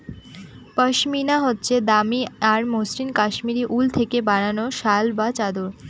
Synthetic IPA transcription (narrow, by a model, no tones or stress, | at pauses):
pəʃminaɦotːɕʰed̪amiaɾmosɾinkaʃmiɾiʔult̪ʰekebaɽ̃anoʃalbat͡ɕad̪oɾ